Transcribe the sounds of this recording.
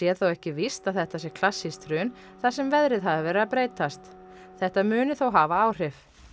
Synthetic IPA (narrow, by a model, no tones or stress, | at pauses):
jɛ̥θowɛhcɪvist̪aðθɛht̪asjɛɾkʰl̥asːist̪ɾʏːn | θasɛmvɛðɾɪðɦaðɪvɛːɾɪðapɾeːjt̪ast̪ | θɛht̪amʏːnʏθowɦaːvaaːwr̥ɪf